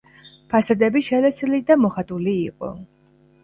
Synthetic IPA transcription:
pʰasad̪ɛbiʃɛlɛslid̪amɔχat̪ʼuliːqʼɔ̰

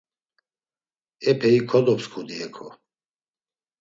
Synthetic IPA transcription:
ɛpʰɛikʰɔd̪ɔpskʰud̪iɛkʰɔ

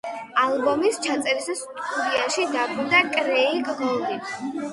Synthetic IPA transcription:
alˠbɔmist͡ʃʰat̪sʼɛɾisast̪ʼud̪iaʃid̪abud̪akʼɾɛiɡʁɔni

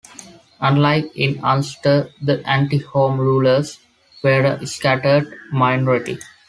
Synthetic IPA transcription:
ʌ̃nlaɪkɪ̃nãlsʈəd̪əʔæ̃ɳʈihõːmɾuːləɾs | ʋeːɾskæʈəɾɖmaɪnɔɾɪʈḭ

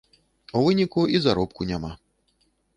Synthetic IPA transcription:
uvɨnʲikuizaɾɔp̚kunʲama

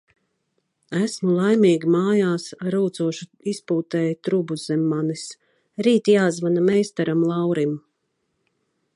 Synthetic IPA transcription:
æsmulˠajmiːɡʲimaːjaːsɾuːt̪suɔʃuispuːt̪ɛːjt̪ɾubuzɛmːanis | ɾiːt̪ijaːzvanamɛjst̪aɾamlˠɑwɾim

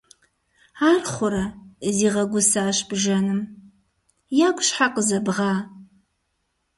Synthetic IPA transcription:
aːrχʷʊɾɐziːʁɐɡʷʊsaːɕb̥ʒɐnɨm | jaːkʷʼɕħaqəzɐbʁaː

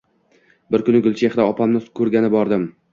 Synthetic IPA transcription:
bɪɾkʊnɪɡʊlˠt͡ʃʰeχd̪aɒpʰamnɪkʰɵɾɡʲanɪbɒɾd̪ɪm

